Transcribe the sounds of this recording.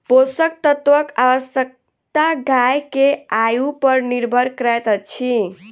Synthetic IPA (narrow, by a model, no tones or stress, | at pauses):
posək̚t̪ət̪ʋəkaʋəsjək̚ | t̪aɡajkeajupəɾniɾbʱəɾkɾɛjt̪ət͡ʃʰi